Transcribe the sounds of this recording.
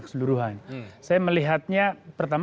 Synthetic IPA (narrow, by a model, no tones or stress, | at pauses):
kə̥səluɾuɦansajaməliɦat̪̚ɲapərt̪am